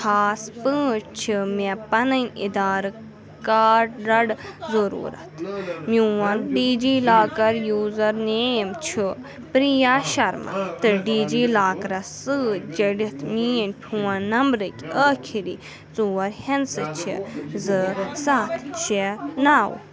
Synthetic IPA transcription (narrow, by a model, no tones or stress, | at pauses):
kʰaːspɨːt͡ʃt͡ʃʰimɛpɐnɐnʲḭd̪aːɾ | kaːɾɐɽzɐɾṵːɾɐ̰t̪ʰmuwɐnɖiːd͡ʒiːlaːkɐɾjuːzɐɾneːmt͡ʃʰu | pɾijaʃɐɾma̰t̪ɨɖiːd͡ʒiːlaːkɾɐsɨːd͡ʒeɽit̪ʰmiːnʲpʲʰuːɐnnɐmbɾɨkʲəːkʰiɾiː | t͡suːɐɾhɛnsɨt͡ʃʰḭzɨsaːt̪ʰt͡ʃʰenaːw̰